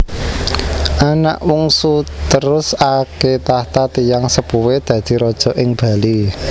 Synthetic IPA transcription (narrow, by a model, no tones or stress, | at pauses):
ʔana̰ʔmuŋsut̪əɾʊsaket̪aht̪at̪ijaŋsəpuwed̪̥ä̤d̪̥i̤ɾɔd̥ʒ̥ɔ̤ʔɪŋb̥ä̤li